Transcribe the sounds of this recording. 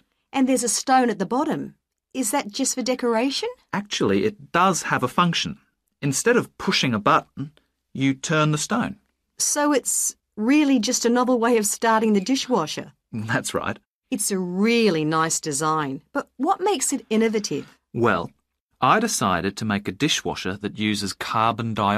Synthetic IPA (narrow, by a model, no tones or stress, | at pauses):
ʔɨ̃nðə˞zɨstõʊ̃nɨt̪̚ðəbɑɾɨ̃m | ɨzðɨt̚d̥ʒ̥ʌstfə˞dɛkə˞eɪʃɨ̃næk̚t͡ʃul̩ˠiʔɨt̚d̥ʌz̥əvəfʌ̃ŋkʃɨ̃n̩ | ɨ̃nstɛɾʌv̥pʰʊʃɪ̃ŋəbʌʔn̩ | jɨtʰɜ̃˞nðɨstõʊ̃n | soʊɨts | ɹɪlˠid͡ʒʌstɨnʌvl̩ˠweɪʌv̥stɑɹɾɪ̃ŋðɨdɪʃwɑʃə̰˞ | ðætsɹa̰ɪt̚ | ɨtsɨɹɪlˠinaɪsd̥ɨzãɪ̃nb̥ʌt̚wʌt̚meɪksɨɾɪnɨvɨɾɪv̥ | wɛ̰lˠ | ʔaɪɾɨsaɪɾɨd̚tʰɨmeɪkɨdɪʃwɑ̰ʃə̰˞ðɨt̚jʉzɨz̥kʰɑɹbɨ̃n̩daɪ